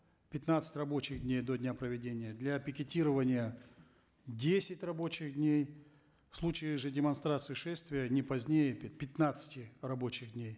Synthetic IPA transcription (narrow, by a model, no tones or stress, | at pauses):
pʲɪt̪nat̪sɨ̥tʲrɐbo̞t͡ɕɪɣdʲnʲejd̪odʲnʲapɾəvʲɪdʲenʲɪjəd̪lʲapʲɪkʲɪtʲiɾəvənʲɪjə | dʲesʲɪtʲrɐbo̞t͡ɕɪxdʲnʲej | fslˠut͡ɕɪɪʐɨdʲɪmɐnst̪ɾat̪sɨɪʂɛst̪vʲɪjənʲɪpɐzʲnʲejɪppʲɪt̪nat̪sɨ̥tʲɪrɐbo̞t͡ɕɪɣdʲnʲej